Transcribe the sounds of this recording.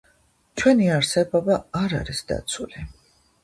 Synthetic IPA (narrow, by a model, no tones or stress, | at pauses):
t͡ʃʰwɛniaɾsɛbɔbaaɾa̰ɾisd̪̥a̰t̪sʰuli